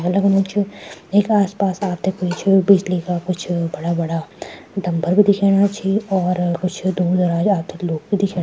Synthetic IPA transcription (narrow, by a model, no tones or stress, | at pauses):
ɐləɡnoːt͡ʃʰieːkaːspaːsaːp̚t̪ekoit͡ʃʰbiːslikakʊt͡ʃʰbɐɽabɐɽad̪ɐ̃mbʱəɾbid̪ɪkʰeːɽat͡ʃʰiɔːɾkʊt͡ʃʰd̪uːɾd̪ɐɾaːd͡ʒaːp̚t̪ʰeloːɡ̚bid̪ɪkʰeː